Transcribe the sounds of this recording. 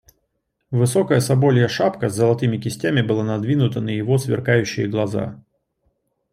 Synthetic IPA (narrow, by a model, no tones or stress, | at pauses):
vɨso̞kəjəsɐbo̞lʲɪjəʂapkəzːəlˠɐt̪ɨmʲɪkʲɪsʲtʲæmʲɪbɨlˠanɐd̪vʲinʊt̪ənəjɪvo̞svʲɪ̰rkajʉɕːɪjəɡlˠɐza̰